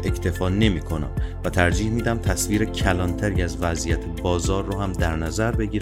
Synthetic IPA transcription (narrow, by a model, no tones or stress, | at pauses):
e̞cʰt̪ʰe̞fɒːne̞miːkʰo̞næ̰mvæt̪ʰæɾd͡ʒiːhmiːd̪æmt̪ʰæsviːɾecʰælɒːnt̪ʰæɾiæzvæzijæt̪ʰebɒːzɒːɾːohæmd̪æɾnæzæɾbe̞ɟiːɾ